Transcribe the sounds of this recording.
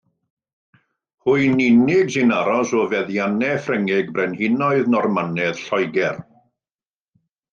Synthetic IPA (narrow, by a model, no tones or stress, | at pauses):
hʊɨnɪnɪɡsɪnaɾɔsɔvɛðjanɛfrəŋɪɡbrɛnhɪnɔɨðnɔrmanɛð̥ɬɔjɡɛr